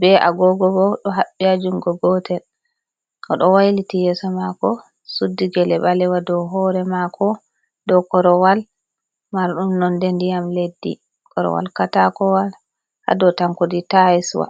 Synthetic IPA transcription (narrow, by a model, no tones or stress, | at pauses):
bɛʔa̰ɡɔɡɔɡɔɗɔɦaɓːiad͡ʒumɡɔɡɔtʰɛl | ʔɔɗɔwajlitijɛsɔmakɔ | sudːiɡɛlɛbalɛwadɔɦɔɾɛmakʰɔ | dɔkɔɾɔwal | maɾɗumnɔndendijamledːḭ | kʰɔɾɔ̰wa̰lkatakɔwal | ha̰dɔtaŋkoditajiswa̰